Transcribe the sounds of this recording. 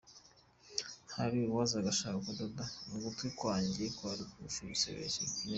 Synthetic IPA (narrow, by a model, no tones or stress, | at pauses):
haɾiwazaɡaʃakakudodanuɡutwikwaːɲɟikwaɾikuuʃiβisḛβḛʃin